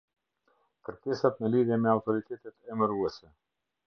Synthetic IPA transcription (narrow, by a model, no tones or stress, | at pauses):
kəɾkɛsat̪nəliðjɛmɛawt̪ɔɾit̪ɛt̪ɛt̪ɛməɾuɛsɛ